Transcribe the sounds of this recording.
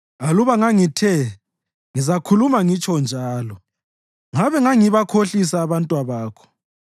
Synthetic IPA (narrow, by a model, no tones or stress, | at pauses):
aluβaŋaŋitʰɛ | ŋizakʰulumaŋit͡ʃʰʼɔnd͡ʒʱaːlɔ | ŋaβɛŋaŋiβakʰoɬis̬aːβantʼwaβaːkʰɔ̥